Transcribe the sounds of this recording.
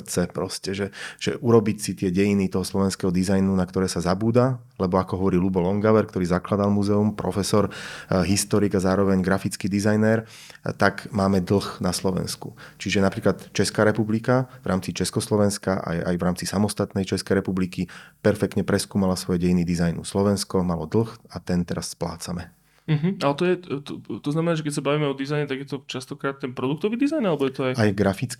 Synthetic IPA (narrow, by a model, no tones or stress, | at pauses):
t͡sɛpɾɔscɛʒɛʒ̥ɛʔuɾɔbicsit̪ɪɛɟɛjinit̪ɔɦɔslɔʋɛnskɛɦɔd̪izajnunakt̪ɔɾɛːsazabuːd̪a | lɛbɔakɔɦɔʋɔɾiːlubɔlɔŋɡaʋɛɾkt̪ɔɾiːzaklad̪almuzɛumpɾɔ̰fɛsɔɾɦist̪ɔɾiɡazaːɾɔʋɛɲɡɾafit͡skiːd̪izajnɛɾ | t̪aɡmaːmɛd̪l̩ˠxnaslɔʋɛ̰nskṵt͡ʃiʒɛnapɾiːklat̪t͡ʃɛskaːɾɛpublikavɾaːmt͡sit͡ʃɛskɔslɔʋɛnskaʔa̰ja̰jvɾaːmt͡sisamɔst̪at̪nɛjt͡ʃɛskɛjɾɛpublikipɛɾfɛk̚t̪ɲɛpɾɛskuːmalasʋɔjɛɟɛjniːd̪izajnṵslɔʋɛnskɔmalɔd̪l̩xat̪ɛnt̪ɛɾasːpla̰ːt͡samɛ | m̩ɦ̩alɛt̪ɔjɛt̪ɔt̪ɔznamɛnaːʒɛkɛcʲsabaʋiːmɛɔd̪izajɲɛt̪aɡjɛt̪ɔt͡ʃast̪ɔkɾaːt̪̚tːɛnpɾɔd̪uk̚t̪ɔʋiːd̪izajnalɛbɔjɛt̪ɔajajɡɾafit͡sk